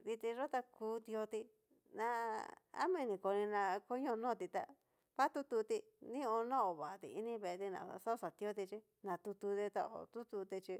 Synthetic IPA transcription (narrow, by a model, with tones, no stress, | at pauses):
ði˧t̪i˧ʐo˦t̪a˧kuː˧˦d̪i˧o˧t̪i˧ | nã˧a̰˦mĩ˦˧nĩ˨ko˧nĩ˧nã˧ko˦ɲõ˧nõː˦˨t̪i˧t̪a̰˧ | βa˦t̪u˦t̪u˧t̪i˧ | nĩ˦õ˧nõ˦o˨βa˨t̪ḭ˧ḭ˦nĩ˦βe˧e˧t̪i˧nã̰˨˧so˦sa˨t̪i˧o˦t̪̬i˧t͡ʃi˦ | nã˨t̪u˧t̪u˧t̪i˧t̪a̰˧o̰˨t̪u˦t̪u˧t̪i˧t͡ʃi˧